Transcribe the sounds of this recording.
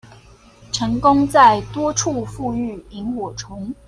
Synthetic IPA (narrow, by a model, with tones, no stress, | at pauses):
ʈ͡ʂʰɤ˧˥ŋkʊ˥ŋt͡sa˥˩ɪt̪wɔ˥ʈ͡ʂʰu˥˧fu˥˧y˥˩i˧˥ŋxɔ˨˩ʈ͡ʂʰʊ˧˥ŋ